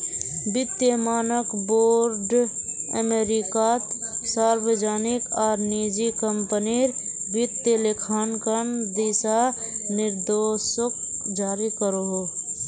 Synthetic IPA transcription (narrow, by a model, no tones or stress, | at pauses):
bɪt̪jəmaːnəkboːɾɖə̰meɾikat̪saːɾbəd͡ʒaːnɪkɔːɾniːd͡ʒikəmpəniɾbɪt̪jəlekʰaːnkənd̪eːsanɪɾd̪oːʃəkd͡ʒaːɾikəɾoɦoː